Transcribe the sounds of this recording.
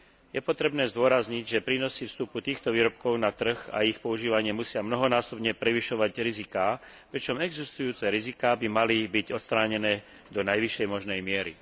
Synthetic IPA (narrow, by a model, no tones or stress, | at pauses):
jɛpɔt̪ɾɛbnɛːzd̪ʊɔɾazɲiɟʒɛpɾiːnɔsifst̪uput̪iːxt̪ɔʋiːɾɔpkɔʊnat̪r̩ɣa̰ixpɔuʒiːʋaɲɪɛmusɪamnɔɦɔnaːsɔbɲɛpɾɛʋiʃɔʋaɟɾizikaː | pɾit͡ʃɔmɛɡzist̪ujuːt͡sɛɾizikaːbimalibiɟɔt̪st̪ɾaːɲɛnɛː | d̪ɔnajʋiʃɛjmɔʒnɛjmɪɛɾḭ